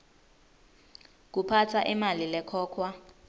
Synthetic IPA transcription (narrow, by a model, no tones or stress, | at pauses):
k̬upʰatʰaʔimalilɛkʰɔːkʰwa